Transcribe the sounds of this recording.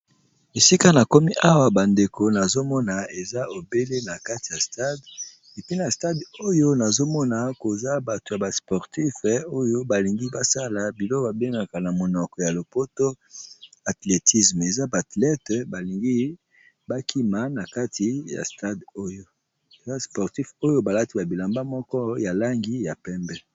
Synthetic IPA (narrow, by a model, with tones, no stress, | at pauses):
e˨si˦ka˦na˨ko˦mi˦ʔa˦wa˨ba˨nde˨ko˨na˨zo˦mɔ˦na˨e˨za˦o˨be˦le˦na˨ka˦ti˨ja˨sta˦d | e˨pi˦na˨sta˦do˦jo˦na˨zo˦mɔ˦na˨ko˨za˦ba˨to˨ja˨ba˨spɔ˨ʁti˦fo˦jo˦ba˨li˨ŋɡi˦ba˦sa˦la˨bi˨lo˦ba˨be˦ŋɡa˨ka˨na˨mo˨nɔ˨kɔ˨ja˨lo˨po˦to˦ | a˨tle˨tʰi˦sme˨za˦ba˨tlɛ˦tba˨li˨ŋɡi˦ | ba˦kʰi˦ma˨na˨ka˦ti˨ja̰˨sta˦do˦jo˦ | e˨za˦spɔ˨ʁti˦fo˦jo˦ba˨la˦ti˦ba˨bi˨la˨mba˦mɔ˦kɔ˦ja˨la˦ŋɡi˦ja˨pɛ˦mbɛ˦